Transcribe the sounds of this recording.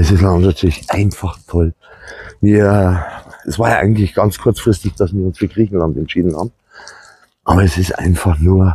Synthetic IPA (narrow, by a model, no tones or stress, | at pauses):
ɛsɪstlantnatʰyːɐlɪçʔa̰ɪnfɑχtʰɔlviːɐɛɛsv̥aːɐjaʔa̰ɪɡŋ̩tlɪçɡ̥ɑnt͡skʰʊɐt͡sfʁ̥ɪstɪçd̥asviːɐʊnsfyːɐɡ̥ʁiːçn̩lantɛntʃiːdn̩ha̰ːbm̩ | ʔɑ̰a̰ːbɐɛsɪstʔa̰ɪnfɑχnuːɐ